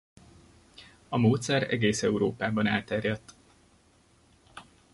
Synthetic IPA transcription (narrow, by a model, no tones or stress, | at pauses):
ɒmoːt̪sɛɾɛ̰ɡeːsɛuɾoːpaːbɒna̰ːlt̪ɛrjɛt̪ː